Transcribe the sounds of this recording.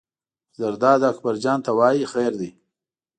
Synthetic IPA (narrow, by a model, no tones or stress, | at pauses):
zaɾd̪ɑːd̪akbaɾd͡ʒɑːnt̪awɑːjixeɾd̪i